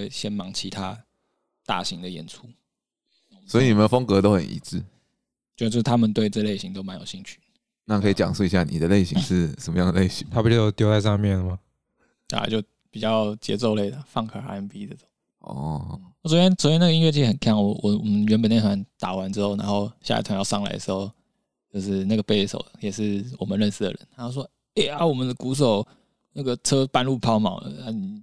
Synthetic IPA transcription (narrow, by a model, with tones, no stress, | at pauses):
we˥˩ɪɕjɛ˦˥nmɑ˧˥ŋt͡ɕʰi˧˥t̪ʰa˥ | t̪a̰˥˩ɕi˧˥ŋd̪ə˨jɛ˧˥nt͡sʰu˥ | swɔ˧˥i˨ni˨˩mə˨˦ə˨fo˥ŋkɤ˧˦t̪o˥ʊxə̰˨˩nʔḭ˨˥t͡sɹ̩˥˩ | t͡ɕjo˥˧o˥˧ʂ̩˥˩t̪ʰa˥mə˨nt̪we˥˧ɪʈ͡ʂɤ˥˩˨le˥˩ɪɕi˧˥ŋt̪o˥ʊma˧˦njo˨˩ʊɕi˥˧ŋt͡ɕʰy̥˥˩ | na˥˩kʰɤ˧˥i˨˩t͡ɕjɑ̰˨˩ŋʂu˥˩i˧ɕja˥˩nḭ˨˩d̪ə˦le˥˩ɪɕi˧˥ŋʂɻ̩˥˩ʂə˨˩mə˦jɑ˥˩ŋd̪ə˨le˥˩ɪɕi˧˥˦ŋt̪ʰa˥pu˥˩t͡ɕjt̪jo˥ʊt͡sa˥˧ɪʂɑ˥˧mjɛ˥˩nlə˩ma˩ | a̰˨˧˩t͡ɕjo˥˩ʊ | pi˨˩t͡ɕjɑ˥˩t͡ɕjɛ̰˧˥t͡so˥˧ʊle˥˩ɪlə˩fɑ˥˩ŋkʰa˨˩a̰˥ɛ˧˥npi˥d̪ə˧˩t͡s | ɔ̰˥˩wɔ˧˩swɔ˧˥t͡ɕjɛ˥nswt͡ɕjna˥˩ɡi˥nɥɛ˥˧˩t͡ɕʰi˥˩˥xə˨˩nkʰa˥˩ŋwɔ˧˥wʔɔ˨˩wɔ̰˨˩mə˦nɥɛ˧˥npə˨˩ne˥˩n˩a˧˥nt̪a˨˩wa˧˦nʈ͡ʂɻ̩˥xo˥˩ʊna˧˥nxo˥˧ʊɕja̰˥˧˥t̪ʰwa˧˥ŋjɑ˥˧ʊʂɑ˥˩ŋla̰˨˥ɪd̪ə˩ʂ̩˧xo˥˧ʊ | t͡ɕjo˥˧ʊʂɻ̩˥˧na˥˩ɡə˩pe˥˩ɪʂo̰˨˩ʊjɛ˨˩ʂɻ̩˥˩wɔ˨˩mə̃˨nɻə˥˧nsɹ̩˥˩d̪ə̰˨˩ɻə̰˦nt̪ʰa˥t͡ɕjo˥˩ʊʂwɔ˥ | e˥˩ɪa˩wɔ˨˩mə˨˦nd̪ə˧ku˧˥ʂ̬o˨˩ʊ | na˥˩ɡə˩ʈ͡ʂʰɤ˥pa˥˧nlu˥˩pʰɑ˥ʊmɑ̰˨˩ʊlə̰˦a˥ni˨˩